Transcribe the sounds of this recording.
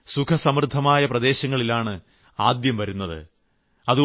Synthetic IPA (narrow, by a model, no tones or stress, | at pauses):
sukʰɐsɐmrɨd̪ʱːɐmaːjɐprɐd̪e̞ːɕɐŋːɐɭilaːɳɨ | aːd̪jɐmʋɐɾunːɐðɨ̰ | ɐðu